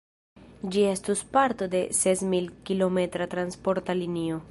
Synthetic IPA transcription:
d͡ʒie̞stuspaɾto̞de̞se̞smilkilo̞me̞tɾatɾanspo̞ɾtalinio̞

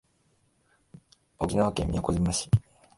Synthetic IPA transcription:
okʲinaβakḛːmḭakozimaɕi̥

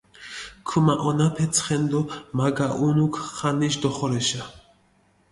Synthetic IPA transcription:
kʰumaʔɔnapʰɛt͡sʰχɛnd̪ɔmaɡaʔunukʰχaniʃd̪ɔχɔɾɛʃa

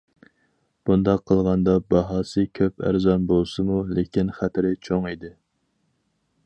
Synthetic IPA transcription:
b̥und̪ɑqʰːəlˠʁɑnd̪ɑbɑɦɑːsɨkʲʰøpʰæ̰ɾzɑnbolˠsɨmulekʲinχæt̪ʰɪɾɪt͡ʃʰoŋid̪ɪ

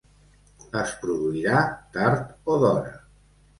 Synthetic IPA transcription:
əspɾuðuiɾat̪aɾt̪oðɔɾə̰

